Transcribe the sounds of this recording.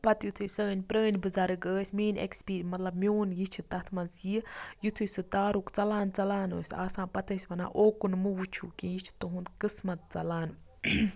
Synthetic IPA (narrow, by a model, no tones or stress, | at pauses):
pɐt̪jut̪ʰusəːnʲpɾəːnbɨzɐɾɨɡəːsʲmiːnḛkspiːmɐt̪lɐbmʲjoːnjit͡ʃʰit̪ɐt̪ʰmɐnzjijut̪ʰujsɨt̪aːɾukt͡sɐlaːnt͡sɐlaːnoːsʲa̰ːsãːpɐt̪əsʲʋɐna̰ːʔoːkunmɨʋut͡ʃʰuːkĩːjit͡ʃʰi̥t̪oɦund̪kɨsmɐt̪̚t͡sɐlaːn